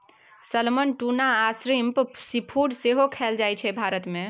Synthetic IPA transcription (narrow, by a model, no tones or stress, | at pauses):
səlmənʈunaːsɾimpsipʰuɽseɦokʰɛld͡ʒajt͡ʃʰɛbʱaɾət̪mẽ